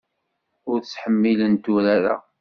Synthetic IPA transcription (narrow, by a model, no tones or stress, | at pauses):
ʊɾt͡sːħəmːilənt̪uɾaɾa̰